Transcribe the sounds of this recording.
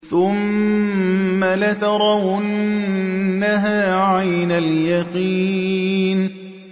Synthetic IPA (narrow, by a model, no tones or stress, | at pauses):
θʊm | alɪt̪ɑɾˤɑw | nːaɦaːʕajnaljaqiːn